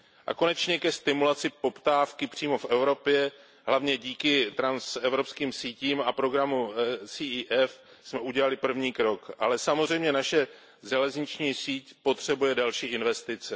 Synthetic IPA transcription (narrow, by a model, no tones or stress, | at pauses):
ʔa̰ko̞nɛt͡ʃɲɛkɛst̪ɪmulat͡sɪpo̞pt̪aːfkɪpr̝̥iːmo̞fʔɛvɾo̞pjɛ | ɦlavɲɛɟiːkɪt̪ɾansɛvɾo̞pskiːmsiːciːmapɾo̞ɡɾamusiʔiːʔɛf | smɛʔuɟɛlalɪpr̩vɲiːkɾo̞kʔalɛsamozrɛjmɲɛnaʃɛ | ʒɛlɛzɲɪt͡ʃɲiːsiːcpo̞t̪r̝̥ɛbujɛdalʃiːʔɪnvɛst̪ɪt͡sɛ